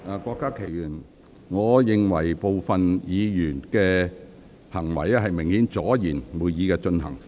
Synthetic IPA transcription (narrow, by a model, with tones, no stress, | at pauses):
a˨kʷɔː˧kːaː˥kʰe˨˩jjyː˨˩n | ŋɔː˨˧jɪ˨ŋwɐ˨˩jpo˨˧wfɐ˨njiː˨˧jyː˨˩nkɛː˧ | hɐ˨˩ŋwɐ̰˨˩jaː˧ɦɐ˨jmɪ˨˩ŋhiː˨˥nt͡sɔː˨˥jiː˨˩nmuː˨˧jjiː˨˧kɛː˧t͡ʃɵ˧nhɐ̰˨˩ŋ